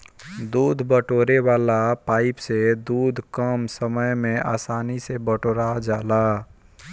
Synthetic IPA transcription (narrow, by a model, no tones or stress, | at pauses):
d̪uːd̪ʱbəʈoːɾewaːlapaːɪpsed̪uːd̪ʱkəmsəməjmẽa̰ːsaːnisebəʈoːɾad͡ʒaːlaː